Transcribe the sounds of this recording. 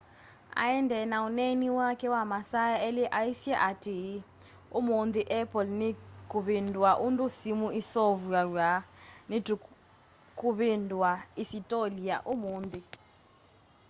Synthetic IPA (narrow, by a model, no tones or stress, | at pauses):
a̰jɛndʱɛnauneniwakʰɛwamasajaɛlɛʔaisiaʔati | umund̪iʔɛpʰʼɔlnikʼuβindʱwaʔuntʼusimuisɔvujaanidʱu | kʼuβindʱwaisitʼoliaʔumuːnd̪i